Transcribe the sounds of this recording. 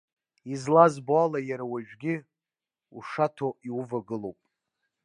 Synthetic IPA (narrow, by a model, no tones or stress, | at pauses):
izlazbalajaɾawaʒᶣɡʲɪ | uʂatʰoiuvaɡɨlowpʼ